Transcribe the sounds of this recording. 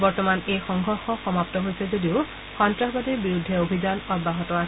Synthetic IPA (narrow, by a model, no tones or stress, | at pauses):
bɔɹtɔmanejxɔŋɡʱɔɹxɔxɔmaptɔɦojsɛzodiʊ | xɔntɹaɦbadɛbiɹudʱːɛobʱizanɔbaɦɔtɔas